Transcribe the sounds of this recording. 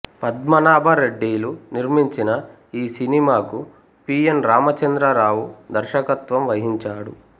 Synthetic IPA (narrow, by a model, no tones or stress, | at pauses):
pɐd̪mɐnaːbʱɐɾeɖːiːluniɾmiɲt͡ʃinɐ | iːsinimaːku | piːenɾaːmɐt͡ʃɐnd̪ɾɐɾaːwud̪ɐɾʃɐkɐt̪ʋɐmʋɐɦiɲt͡ʃaːɽu